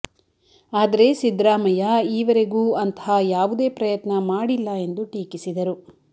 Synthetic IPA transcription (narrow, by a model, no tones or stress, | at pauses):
aːd̪ɐɾe̞sid̪ɾaːmɐjɐiːʋɐɾe̞ɡuːɐnt̪ʰɦajaːʋud̪e̞ːpɾɐjɐt̪nɐmaːɽilːɐe̞nd̪uʈiːkisid̪ɐɾu